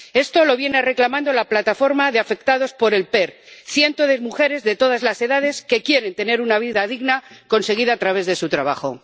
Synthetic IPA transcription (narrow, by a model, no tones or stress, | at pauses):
e̞st̪o̞lo̞βje̞nere̞klamãnd̪olaplat̪afo̞ɾmaðeafe̞k̚t̪aðo̞spo̞ɾe̞lpe̞ɾθjent̪oðemuxe̞ɾe̞zðe̞t̪o̞ð̞azlase̞ðað̞e̞ske̞kje̞ɾe̞nt̪e̞ne̞ɾunaβ̞iðaðiɣnako̞nse̞ɣ̞iðaːt̪ɾaβ̞e̞zðe̞sut̪ɾaβ̞axo̞̰